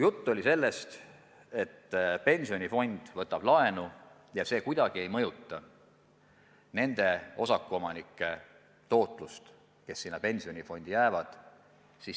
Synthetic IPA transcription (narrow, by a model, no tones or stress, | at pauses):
jut̪ˑːo̞lʲise̞lːe̞st̪ | e̞t̪ːpe̞nʲsio̞nʲifo̞nʲd̪̥vɤt̪ːˑɑb̥lɑe̞nu | jɑse̞ːkujd̪̥ɑɡ̥ie̞jmɤ̞jut̪ːˑɑ | ne̞nd̪̥e̞o̞sɑkːˑuo̞mɑnikːˑe̞ | t̪o̞ːt̪ˑlust̪ | ke̞sːinːɑpe̞nʲsio̞nʲifo̞nʲd̪̥ijæːvɑd̪̥ | si